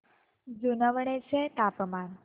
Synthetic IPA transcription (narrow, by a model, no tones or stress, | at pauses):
d͡ʒunəʋɳ̃et͡ʃʰet̪apəman